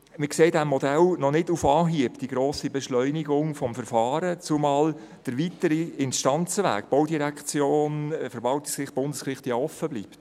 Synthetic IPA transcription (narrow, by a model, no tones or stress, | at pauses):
mɪkseːdæmːɔd̥ɛlnɔnɪdufɑːɦiəpd̥iɡ̥ɾoːsibɛʃlœʏniɡʊŋfɔmfəɾfɑːɾət͡sumɑːl | d̥əɾʋitəɾiɪnʃtɑnt͡səʋæ̰ːkb̥owdiɾækt͡sjoːnfəɾbɑlti̥skɪχb̥ʊndəskrɪχtjɑɔfəbliːpt